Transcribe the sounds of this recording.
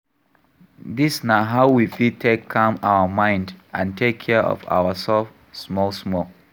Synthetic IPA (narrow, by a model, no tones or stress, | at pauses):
disnaɦaʊwifitʰekʰːãmaʊəmãɪ̃ndʔãntʰekʰːɛɔ̰va̰ʊəsɛlf | smɔlsmɔl